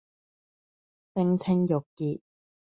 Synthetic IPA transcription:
t̪ɪ˥ŋt͡sʰɪ˥ŋjʊ˨˩kːiː˨t̚

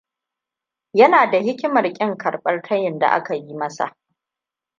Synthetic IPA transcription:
jɐ˦naː˨da˨hɪ˦kʲɪ˦mɐ˨rkʲʼɪ˦ŋkɐ˨rɓʼɐ˦rtʰɐ˦jɪ˨nda̰˨ʔa̰˦ka˨ji˦mɐ˦sa̰˨ʔ

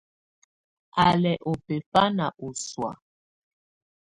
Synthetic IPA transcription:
a˨lɛ˨ʔo˨pe˨fa˦na˨ʔo˨swa̰˨

